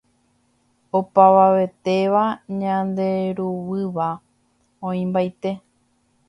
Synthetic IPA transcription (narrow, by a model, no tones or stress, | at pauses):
opaʋaʋe̞t̪e̞ʋaɲãnd̪e̞ɾuwɨʋa | õĩmbajt̪e̞